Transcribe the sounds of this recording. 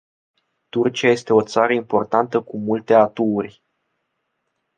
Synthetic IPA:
t̪urt͡ʃiaje̞st̪e̞o̞t̪saɾəimpo̞rt̪ant̪əkumult̪e̞at̪uːrʲ

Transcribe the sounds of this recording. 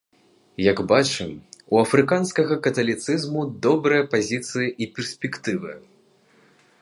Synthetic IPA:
jɐɡbat͡ʂɨmuɐfɾɨkanskɐɣɐkɐt̪ɐlʲit̪sɨzmud̪ɔbɾɨjɐpazʲit̪sɨjɐʔipʲɛrsʲpʲɛkt̪ɨvɨ̰

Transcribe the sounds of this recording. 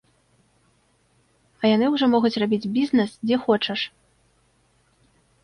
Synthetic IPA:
ɐjanɨwʐɔmɔɣut͡sʲrabʲid͡zʲbʲiznɛsd͡zʲɛxɔt͡ʂɐʂ

